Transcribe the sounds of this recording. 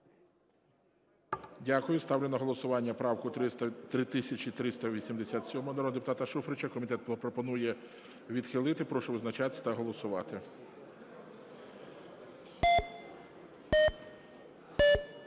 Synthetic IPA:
dʲakʊjʊst̪ɑwlʲenɔɦɔlˠɔsʊʋɑnʲːɐpɾɑwkʊt̪ɾɪt̪ɪsʲɐt͡ʃʲit̪ɾɪst̪ɐʋʲisʲimd̪esʲat̪sʲɔmɦɔnɐɾɔd̪epʊt̪ɑt̪ɐʃufɾet͡ʃɐkɔmʲit̪ɛt̪̚ppɾɔpɔnujɛ | ʋʲid̪xɪlˠɪt̪ɪpɾɔʃʊʋɪznɐt͡ʃat̪ʲt̪ɐɦɔlˠɔsʊʋɑt̪ɪ

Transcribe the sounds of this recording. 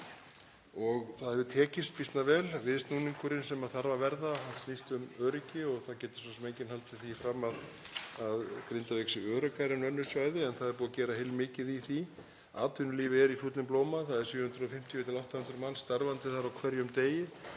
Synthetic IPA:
ɔɣθaðhɛvʏt̪ʰɛːcɪst̪̚pist̪navɛːlvɪðst̪nuːniŋkʏɾɪnsɛmaðθaɾvavɛɾðahansnist̪ʏmœːɾɪcɪɔɣθaðcɛːt̪ɪ̥sɔnsɛmeːjɲcɪnɦhalt̪fɪθifɾamaðaðkɾɪnt̪aveksɪœːɾœkaɾɪnœnːʏsvaːjðɪɛnθaðɛɾpuːðacɛːɾahejlmɪːcɪðiθi | aːt̪ʏnʏliːvɪɛɾifjuːt̪nɪmploːwmaθaðɛɾsiːhʏnt̪ɾʏɔfɪm̥t̪ʰjʏt̪ʰɪlawht̪ahʏnt̪ɾʏmanːst̪aɾvant̪ɪθaɾawkʰvɛɾjʏmt̪eːjɪ

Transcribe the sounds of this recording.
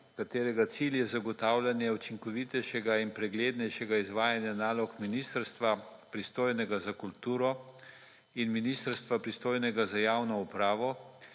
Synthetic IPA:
kat̪eːɾɛɡat̪siljɛzaɡɔt̪aːwlʲanjɛut͡ʃiŋkɔʋit̪ɛjʃɛɡainpɾɛɡleːd̪nɛjʃɛɡaizʋaːjanjanaːlɔkminist̪əɾst̪ʋapɾist̪oːjnɛɡazakult̪uːɾɔ | inminist̪əɾst̪ʋapɾist̪oːjnɛɡazajawnɔupɾaːʋɔ

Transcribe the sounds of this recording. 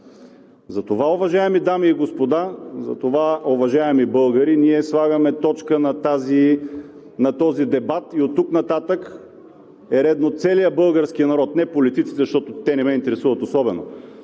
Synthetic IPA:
zɐt̪ovaovɐʒaɛmid̪amiːɡospod̪azɐ̰t̪ovaovɐʒaɛmibɤlˠɡəɾiniɛslˠaɡəmɛt̪ɔt͡ʃkənɐt̪azi | nɐt̪ɔzid̪ɛbat̪iot̪ːuknɐt̪at̪ək | ɛɾɛd̪not̪sɛlijəbɤlˠɡəɾskinɐɾɔt̪nɛpolit̪it̪si̥t̪ɛzʃt̪ɔt̪ot̪ɛnɛmɛint̪ɛɾɛsuvət̪osɔbɛno̰

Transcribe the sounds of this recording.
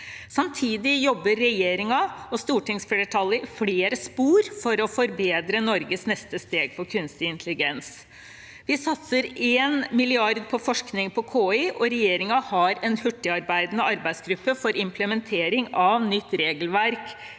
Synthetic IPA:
sɑmt̪ʰiːd̪ɪjɔbːəɾːɛjeːɾɪŋɑɔst̪uːʈɪŋsfeɾəʈʰɑlːəfleːɾəspuːɾfɔɾɔfɔɾbeːd̪ɾənɔɾɡəsnɛst̪əst̪eːɡ̚pʰɔkʰʉnst̪ɪɪnt̪ʰəlɪɡɛns | ʋɪsɑt̪səɾeːnmɪlɪɑɾd̪̚pʰɔfɔʂknɪŋpʰɔkʰoːɪʔɔɾɛjeːɾɪŋɑhɑɾɛnhʉʈːɪɑɾbæɪd̪nəɑɾbæɪsɡɾʉpːəfɔɾɪmpʰləmɛnt̪ʰeːɾɪŋɑʋnʏt̪ːɾeːɡəlʋæɾk

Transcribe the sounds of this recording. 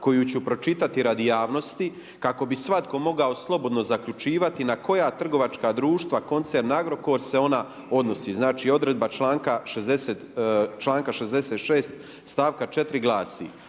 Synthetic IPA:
ko̞jut͡ɕupɾo̞t͡ʃit̪at̪iɾad̪ijaːʋno̞st̪i | kako̞bisʋat̪ko̞mo̞ɡao̞slˠo̞bo̞d̪no̞zakʎut͡ʃiːʋat̪inako̞jat̪r̩ɡo̞ʋat͡ʃkaːd̪ɾuːʃt̪ʋako̞nt̪seɾnaɡɾo̞ko̞ːɾse̞o̞na | o̞d̪no̞siːznaːt͡ʃiːo̞d̪ɾe̞d̪̚bat͡ʃlaːŋkaʃezd̪eseːt̪t͡ʃlˠaːŋkaʃezd̪e̞seːt̪ʃeːst̪ | st̪aːʋkat͡ʃe̞t̪ɾiɡlaːsḭ

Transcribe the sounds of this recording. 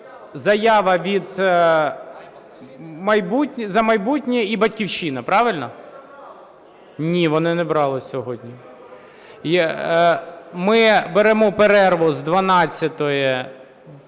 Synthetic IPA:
zɐjɑʋɐʋʲid̪ | mɐjbutʲnʲzɐmɐjbutʲnʲiibɐtʲkʲiwʃinɐpɾɑʋɪlʲnɔ | nʲiʋɔnɪnɛbɾɑlˠɪsʲɔɦɔdʲnʲi | mɪbeɾɛmɔpeɾɛrʋɔzd̪ʋɐnɑt͡sʲːɐt̪ɔjɛ

